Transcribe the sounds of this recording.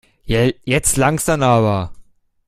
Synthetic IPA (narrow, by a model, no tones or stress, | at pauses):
jaːjɛt͡stlaŋz̥amaːβɐ